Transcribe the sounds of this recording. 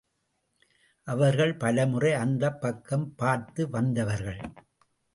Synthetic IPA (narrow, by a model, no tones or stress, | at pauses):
ʔɐʋɐɾɣɐɭpɐlɐmɯrɐɪɐnd̪ɐpːɐkːɐmpaːɾt̪ɯʋɐnd̪ɐʋɐɾɣɐɭ